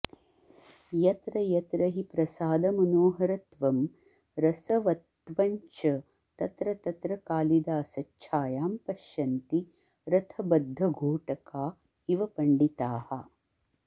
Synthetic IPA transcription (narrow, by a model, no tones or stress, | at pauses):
jɐt̪ɾɐjɐt̪ɾɐɦipɾɐsaːd̪ɐmɐnoːɦɐɾɐt̪ʋɐm | ɾɐsɐʋɐt̪ʋɐɲt͡ʃɐ | t̪ɐt̪ɾɐt̪ɐt̪ɾɐkaːlid̪aːsɐt͡ʃʰaːjaːmpɐʃjɐnt̪i | ɾɐt̪ʰɐbɐd̪ʱːɐɡʱoːʈɐkaː | iʋɐpɐɳɖit̪aːhɐ